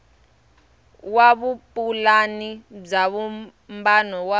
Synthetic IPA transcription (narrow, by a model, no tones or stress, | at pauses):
waβupʼulanib͡ʐaβu | mbanɔwa